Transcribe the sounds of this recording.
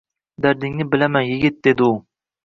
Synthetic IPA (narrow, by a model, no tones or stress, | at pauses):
d̪æɾd̪ɪŋnɪbɪlamɛnjɪɡʲɪt̪̚d̪ed̪ɪu